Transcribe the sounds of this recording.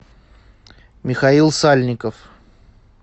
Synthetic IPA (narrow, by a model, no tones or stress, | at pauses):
mʲɪxɐilˠsalʲnʲɪkəf